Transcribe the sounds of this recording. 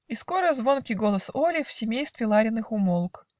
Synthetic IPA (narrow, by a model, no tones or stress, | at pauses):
isko̞ɾəzvo̞nkʲiɡo̞lˠəsolʲɪfsʲɪmʲejst̪vʲɪlˠaɾʲɪnːɨxʊmolˠk